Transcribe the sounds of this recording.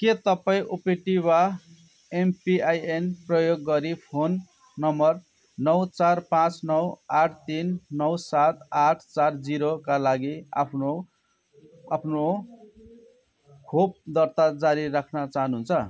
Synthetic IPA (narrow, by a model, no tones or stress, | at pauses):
ket̪ʌpaĩʔupeʈiwa | empiajenprʌjoɡːʌɾipʰonː | ʌmʌr | nʌwt͡sarpãt͡snʌwaʈʰt̪inːʌwsat̪aʈʰt͡sard͡ziɾokalaɡia̰pʰno | apʰno | kʰob̚d̪ʌrt̪ad͡zaɾirːakʰnʌt͡saɦʌnuɦunt͡sʰʌ